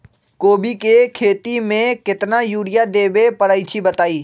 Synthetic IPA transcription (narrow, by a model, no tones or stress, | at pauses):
koːbikekʰeːt̪imẽkɪt̪najuːɽɪjad̪eːbepɐɽaːit͡ʃʰibɐt̪aːiː